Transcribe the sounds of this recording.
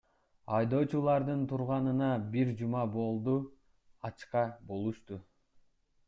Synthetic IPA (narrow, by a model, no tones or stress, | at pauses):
ɑjd̪o̞ːt͡ʃulˠɑɾd̪ɯnt̪ʰuɾʁɑnɯnɑbiɾd͡ʒumɑbo̞lˠd̪u | ɑt͡ʃqɑbo̞lˠuʃt̪u